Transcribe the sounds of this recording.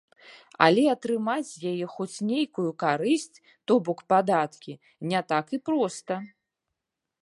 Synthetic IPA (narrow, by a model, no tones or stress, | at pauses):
a̰lʲɛɐt̪ɾɨmat͡sʲjajɛxɔt͡sʲnʲejkujukaɾɨsʲt͡sʲ | t̪ɔbɔkpad̪at̪kʲi | nʲɛt̪akipɾɔst̪ɐ